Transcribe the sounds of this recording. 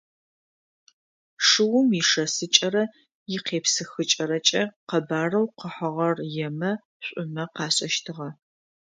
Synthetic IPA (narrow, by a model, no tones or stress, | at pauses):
ʂɨwʊmɪʂɐsɨt͡ʃʼɐɾɐ | jɪqeːpsɨxɨt͡ʃʼɐɾɐt͡ʃʼɐqɐbaːrɐwqəħɐʁɐrjɛmɐ | ɕʷʼʊmɐqɑːɕʼɐʃtʰɨʁɐ